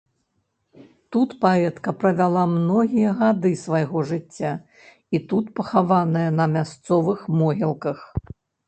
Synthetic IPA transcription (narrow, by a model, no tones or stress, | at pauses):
t̪ut̪paɛt̪kɐpɾɐvʲalˠamnɔɣʲijɐɣad̪ɨsvajɣɔʐɨt͡sʲːa | it̪ut̪pɐxavanɐjɐnɐmʲast̪sɔvɨxmɔɣʲilˠkɐx